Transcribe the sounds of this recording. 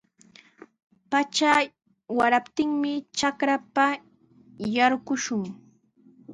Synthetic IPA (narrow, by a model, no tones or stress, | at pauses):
pat͡ʃa | waɾapt̪ɪŋmɪt͡ʃakɾapa | jaɾɢʊʃʊŋ